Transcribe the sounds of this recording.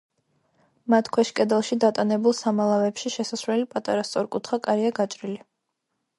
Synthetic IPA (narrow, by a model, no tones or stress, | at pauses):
mat̪ʰkʰwɛʃkʼɛd̪ɛlˠʃid̪at̪ʼanɛbulˠsamalˠavɛpʃiʃɛsasvlɛlipʼat̪ʼaɾast̪sʼɔɾkʼut̪ʰχakʼaɾiaɡat͡ʃʼɾili